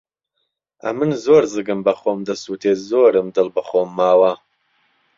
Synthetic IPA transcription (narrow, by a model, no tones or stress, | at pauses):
ʔɐ̰mɨnzoːɾzɨɡɨmbɐχoːmd̪ɐsuːt̪ʰezoːɾɨmd̪ɨlbɨχoːmːaːwɐ